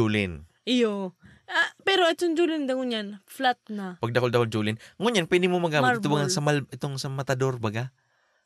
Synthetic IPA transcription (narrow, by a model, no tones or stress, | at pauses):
uːlɪn | ɪjo | apɛɾoʔɛt̪ond͡ʒuːlɪnd̪ɐŋʊɲanflat̪̚napɐɡ̚d̪ɐkold̪ɐkold͡ʒuːlɪnŋʊɲanpwɛːd̪ɪɡmomɐɡaːmɪtt̪ʊbaɡansɐmalʔɪt̪oŋsɐmɐt̪ɐd̪o̞ɾbɐɡa